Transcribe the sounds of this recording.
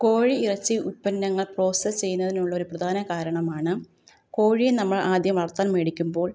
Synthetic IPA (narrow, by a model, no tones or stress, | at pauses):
ko̞ːɻiirɐt͡ɕːɨʔut̚pɐnːɐŋːɐɭpro̞ːsɐst͡ɕe̞jːunːɐðinuɭːɐo̞ɾuprɐd̪ʱaːnɐkaːɾɐɳɐmaːɳɨ | ko̞ːɻijenɐmːɐɭaːd̪ʱjɐmʋɐrt̪ːaːnmeːɽikʲːumbo̞ːɭ